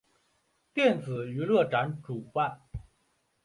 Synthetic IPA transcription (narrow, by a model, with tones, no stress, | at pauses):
t̪jɛ˥˩nd͡zɹ̩˨˩y˧˥lɤ˥˩ʈ͡ʂa˧˥nʈ͡ʂu˨˩pa˥˩n